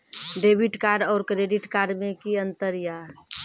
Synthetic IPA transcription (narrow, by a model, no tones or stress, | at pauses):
ɖebiʈkaːɾɖɔːɾkɾeɖiʈkaːɾɖmẽkiə̃nt̪əɾja